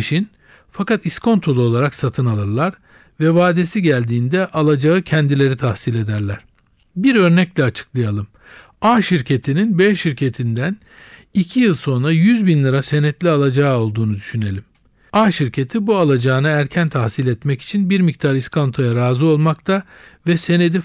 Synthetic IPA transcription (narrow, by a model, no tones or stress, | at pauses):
ʃin | fakat̪iskʰo̞nt̪ʰo̞lˠuo̞lˠaɾaksat̪ʰɯnalˠɯɾlˠaɾ | vɛvaːd̪e̞siɟælʲd̪iːnd̪ɛʔalˠad͡ʒaɯcʰɛnd̪ilʲe̞ɾit̪ʰahsilʲe̞d̪æɾlʲæɾ̥ | biɾø̞ɾnɛclʲɛat͡ʃʰɯ̥klˠajalˠɯm | aːʃiɾcʰe̞t̪ʰininbeʃiɾcʰe̞t̪ʰind̪æn | icʰijɯlˠso̞nɾajyzbinlʲˠaɾase̞nɛt̪lʲialˠad͡ʒao̞lˠd̪uːnud̪yʃyne̞lʲim | aːʃiɾcʰe̞t̪ʰibualˠad͡ʒaːnɯæɾcʰænt̪ʰahsilʲɛt̪mɛci̥t͡ʃʰinbiɾmic̚t̪ʰaɾiskʰo̞nt̪ʰo̞jaɾaːzuo̞lˠmakt̪ʰavɛse̞ne̞d̪i